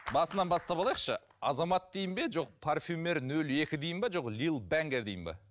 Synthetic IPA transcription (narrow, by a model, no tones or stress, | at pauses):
bɑsənɑnbɑst̪ɑpɑlˠɑjəqʃə | ɑ̰zɑmɑt̪̚d̪e̞jɪmbe̞ʒo̞q̚pʰarfʲume̞ɾnɵle̞kʲɪd̪ejɪnbɑʒo̞qlilˠbæŋɡʲe̞ɾd̪ejɪmbɑ̰